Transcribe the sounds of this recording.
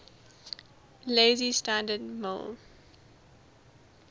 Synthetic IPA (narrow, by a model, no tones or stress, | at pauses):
leːzistãndədmɪ̰l